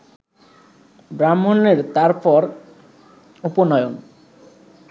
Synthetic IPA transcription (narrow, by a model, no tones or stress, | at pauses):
bɾamːoneɾt̪aɾpɔɾ | uponɔeon